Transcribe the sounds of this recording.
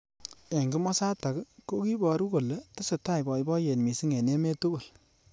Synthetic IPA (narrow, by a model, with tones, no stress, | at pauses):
e˨ŋɡi˦mɔ˦sa˦ta˨kko˦ki˦bɔ˨ɾu˦ko˨le˦tɪ˦se˨ta˦˨jbɔ˨jbɔ˦je˨nmi˨si˦ŋe˨ne˦me˦tu˦ɡo˨l